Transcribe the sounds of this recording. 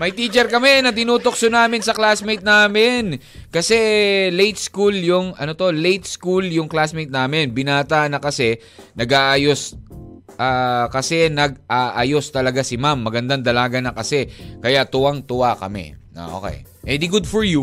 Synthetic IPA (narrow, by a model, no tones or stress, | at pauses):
mɐjt̪iːt͡ʃɛɾkɐmɛnɐt̪ɪnuːt̪oksonaːmɪnsɐklasmejt̪̚naːmɪn | kɐsɛlejt̪̚skuljʊŋʔɐnot̪o̞lejt̪̚skuljʊŋklasmejt̪̚naːmɪnbɪnaːt̪anɐkɐsɛ | nɐɡaːʔaːjos | ʔaːkɐsɛnɐɡ̚ʔaːʔaːjost̪ɐlɐɡasɪmamːɐɡɐnd̪aŋd̪ɐlaːɡɐnɐkɐsɛkɐjat̪ʊwaŋt̪ʊwakɐ̰mɛ̰a̰ʔo̰kɛ̰j | ʔɛd̪iɡʊd̪fɔɹju